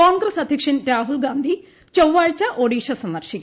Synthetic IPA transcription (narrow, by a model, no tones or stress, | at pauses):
aːŋɡɾɐsɐd̪ʱjɐkʂɐnɾaːɦulɡaːnd̪ʱi | t͡ɕɐwʋaːɻt͡ɕɐʔoːɽiːʂɐsɐnːɐrʂikʲː